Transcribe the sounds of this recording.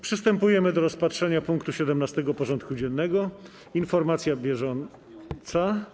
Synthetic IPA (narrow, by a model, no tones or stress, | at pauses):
pʂɨst̪ɛmpujɛmɘd̪ɔɾɔspatʂɛɲapuŋkt̪uɕɛd̪ɛmnast̪ɛɡɔpɔʐɔnt̪kud͡ʑɛnːɛɡɔ | infɔɾmat̪sʲjabʲjɛʐɔn | t̪sa